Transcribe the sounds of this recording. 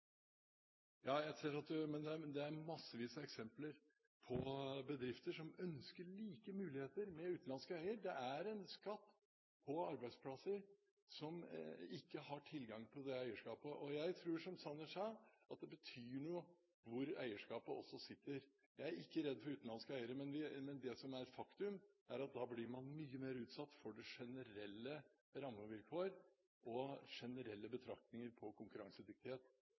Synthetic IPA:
jɑːjæɪseːɾɑt̪̚d̪ʉmɛnd̪ɛd̪ɛæɾmɑsːəʋiːsəɛksɛmpləɾ | pʰɔbəd̪ɾɪft̪əʂɔmœnskəɭiːkəmʉːlɪheːt̪əɾmɛʉːt̪n̩lɑnskəæɪəɾd̪ɛʔæɾɛnskɑt̪ː | pʰɔɑɾbæɪd̪spʰlɑsəɾ | sɔmɪkːəhɑʈʰɪlɡɑŋt̪ʰɪld̪ɛæɪəʂkɑːpəʔɔjæɪt̪ʰɾuːʂɔmsɑnːəʂɑʔɑt̪̚d̪ɛbət̪ʰyːɳʊ | ʋʊɾæɪəʂkɑːpəʔɔ̰sːɔsɪt̪ːəɾ | jæɪæɾɪkːəɾɛd̪ːfɔɾʉːt̪n̩ɑnskəæɪəɾəmɛnʋɪmɛnd̪ɛsɔmæɾɛt̪fɑkt̪ʉmæɾɑt̪̚d̪ɑːblɪɾmɑnmyːəmeːɾʉːt̪sɑt̪ːfɔɖɛʂɛnəɾɛlːə | ɾɑmːəʋɪlkʰoːɾ | ʔɔʂɛnəɾɛlːəbət̪ʰɾɑk̚t̪nɪŋəɾpʰɔkʰʊŋkʉɾɑŋsəd̪ɪk̚t̪ɪheːt̪

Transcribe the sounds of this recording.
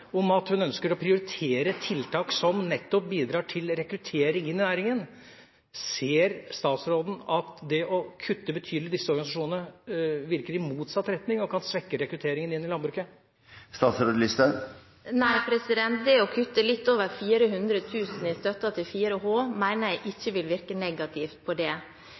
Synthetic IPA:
ɔmɑt̪hʉnœnskəɾɔpʰɾɪʊɾɪt̪ʰeːɾət̪ʰɪlt̪ʰɑːksɔmnɛt̪ːɔp̚biːd̪ɾɑːʈʰɪlɾɛkɾʉt̪ʰeːɾɪŋɪnːɪnæːɪɾɪŋən | seːɾst̪ɑːt̪sɾoːd̪n̩ɑt̪d̪ɛʔɔkʰʉt̪ːəbət̪ʰyːd̪lɪd̪ɪsːəɔɾɡɑnɪs̬ɑʂuːnənəʋɪɾkəɾɪmuːt̪sɑt̪ːɾɛt̪nɪŋɔkʰɑnsʋɛkːəɾɛkɾʉt̪ʰeːɾɪŋənɪnːɪlɑnbɾʉːkə | st̪ɑːt̪sɾoːd̪lɪst̪ə | næɪpʰɾɛsɪd̪ɛnt̪̚d̪ɛɔkʰʉt̪ːəlɪt̪ːoːʋəɾfiːɾəɦʉnd̪ɾət̪ʰʉːsn̩ɪst̪œt̪ːɑt̪ʰɪlfiːɾəɦoːmæɪnəɾjæɪʔɪçːəʋɪlʋɪɾkənɛɡɑt̪ʰɪft̪̚pʰɔd̪ɛ

